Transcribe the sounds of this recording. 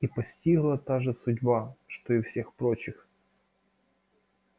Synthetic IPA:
ipɐsʲtʲiɣlˠɐt̪aʐɨsʊdʲbaʂt̪oɪfsʲe̞xpɾot͡ɕɪx

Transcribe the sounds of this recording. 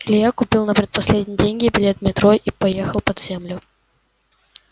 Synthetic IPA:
lʲɪjakʊpʲilˠnəpɾʲɪt̪̚pɐsʲlʲedʲnʲɪjɪdʲenʲɡʲɪbʲɪlʲe̞t̪mʲɪt̪ɾoʔipɐjexəlˠpɐd̪zʲemlʲʊ

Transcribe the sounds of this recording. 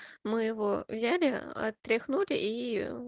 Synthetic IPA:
mɪjɪʋɔwzʲalʲɪɐ̰t̪ɾʲɪxnulʲɪ̰ʔi

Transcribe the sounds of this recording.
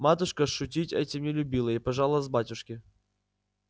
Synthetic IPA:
mat̪ʊʂkəʂʊtʲitʲɛ̰tʲɪmnʲɪlʲʊbʲilˠəipɐʐalˠəvzbatʲʊʂkʲɪ

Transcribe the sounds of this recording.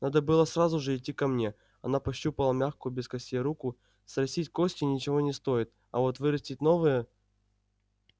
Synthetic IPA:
nad̪əbɨlˠəsrazʊʐɨɪtʲːikɐmnʲe̞ | ɐ̰napɐɕːupəlˠəmʲaxkʊjbʲɪskɐsʲejɾukʊ | sɾɐsʲitʲkosʲtʲɪnʲɪt͡ɕɪvo̞nʲɪst̪o̞jɪt̪̚ | ɐvo̞t̪vɨɾɐsʲtʲɪtʲno̞vɨjə

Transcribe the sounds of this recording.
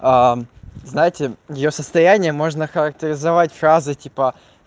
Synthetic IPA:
aznajɪtʲɪjɪjo̞səst̪ɐjænʲɪjəmo̞ʐnəxəɾək̚tʲɪɾʲɪzɐvatʲfɾazɨtʲipə

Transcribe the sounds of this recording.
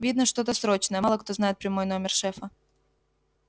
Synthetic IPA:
vʲid̪nəʂt̪o̞t̪əsɾo̞t͡ɕnəjəlˠəkt̪o̞znajɪt̪̚pɾʲɪmo̞jno̞mʲɪrʂɛfə

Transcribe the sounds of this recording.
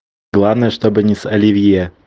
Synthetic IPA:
ɡlˠavnəjəʂt̪obɨnʲɪsɐlʲɪvʲje

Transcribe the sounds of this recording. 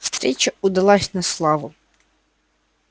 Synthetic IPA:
st̪ɾʲit͡ʃɐud̪ɐlˠɑsʲnɐslˠɑʋʊ

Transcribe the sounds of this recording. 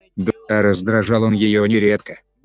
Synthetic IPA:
d̪ɐɾəzd̪ɾɐʐɑlˠonjɪjonʲɪɾʲet̪kə

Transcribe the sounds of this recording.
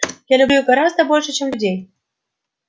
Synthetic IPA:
jalʲʊblʲuɡɐɾazd̪əbo̞lʲʂɨt͡ɕemlʲʊdʲej

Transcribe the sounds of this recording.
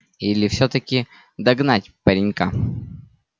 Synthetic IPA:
ilʲɪfsʲɵt̪əkʲɪ | d̪ɐɡnatʲpɐɾʲɪnʲka

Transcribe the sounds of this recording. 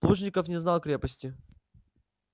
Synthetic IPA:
lˠuʐnʲɪkəfnʲɪznalˠkɾʲepəsʲtʲɪ

